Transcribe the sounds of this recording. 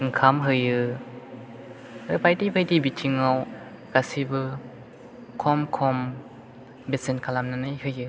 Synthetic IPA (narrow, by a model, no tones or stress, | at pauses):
ɯŋkʰamɦɯjɯ | ʔɯpajdipʰɯjdibit͡ʃiŋaw | kasibɯ | kʰɔmkʰɔm | besinkʰalamnanɯjhɯjɯ